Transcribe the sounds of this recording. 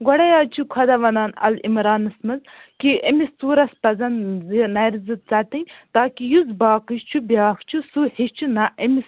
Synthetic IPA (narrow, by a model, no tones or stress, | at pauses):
ɡɔɽɐjaːt͡ʃʰukʰɐd̪ɐʋɐnaːnɐ̰lḭmɾaːnɐsmɐz | kiʔemist͡suːɾɐspɐzɐnzinɐjɾzɨt̪̚t͡sɐʈ̪ɨnʲt̪aːkijuzbaːkɨʃt͡ʃʰubʲjaːkt͡ʃʰusuheʃt͡ʃʰunaʔemis